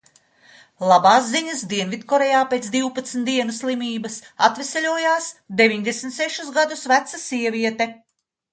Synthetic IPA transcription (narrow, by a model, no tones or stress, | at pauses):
lˠabaːsziɲɐsd̪iɛnvit̪kɔɾɛjaːpeːt̪sd̪iwpat̪sm̩t̪d̪iɛnuslˠimʲiːbɐsat̪vesʲelʲuɔjaːsd̪evʲiɲd̪esmt̪seʃusɡad̪usvæt̪sasʲiɛvʲiɛt̪ɛ